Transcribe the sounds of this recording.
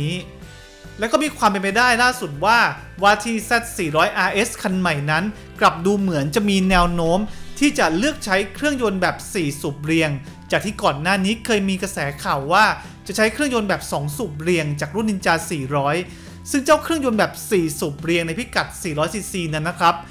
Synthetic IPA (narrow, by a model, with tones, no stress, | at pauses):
lɛ˦˥wkɔ˥˩miː˧kʰwaː˧mp̬e˧np̬a˧jdaː˥˩jlaː˥˩su˨˩t̪̚waː˥˩ | waː˧t̪ʰiː˧sɛ˦˥t̪̚siː˨˩ɾɔː˦˥jʔaː˧ʔe˦˥skʰa˧nma˨˩jna˦˥n | kla˨˩p̚duː˧mɯ˩˦ənt͡ɕa˨˩miː˧nɛː˧wnoː˦˥mt̪ʰiː˥˩t͡ɕa˨˩lɯ˥˩ək̚t͡ɕʰa˦˥jkʰɾɯ˥˩əŋjo˧nbɛː˨˩p̚siː˨˩suː˨˩p̚ɾi˧əŋ | t͡ɕaː˨˩k̚t̪ʰiː˥˩kɔː˨˩nːaː˥˩niː˦˥kʰɤː˧jmiː˧kɾa˧sɛː˩˦kʰaː˨˩wːaː˥˩ | t͡ɕa˨˩t͡ɕʰa˦˥jkʰɾɯ˥˩əŋjo˧nbɛː˨˩p̚sɔː˩˦ŋsuː˨˩p̚ɾi˧əŋt͡ɕaː˨˩k̚ɾu˥˩nːi˧nt͡ɕaː˧siː˨˩ɾɔː˦˥j | sɯ˥˩ŋt͡ɕaː˥˩wkʰɾɯ˥˩əŋjo˧nbɛː˨˩p̚siː˨˩suː˨˩p̚ɾi˧əŋna˧jpʰi˦˥ka˨˩t̪̚siː˨˩ɾɔː˦˥jsiː˨˩siː˧na˦˧˥nːa˦˥kʰɾa˦˥p̚